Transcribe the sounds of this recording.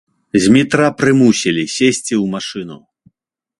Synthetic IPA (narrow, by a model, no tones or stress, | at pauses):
zʲmʲit̪ɾapɾɨmusʲilʲisʲesʲt͡sʲiwmaʂɨnṵ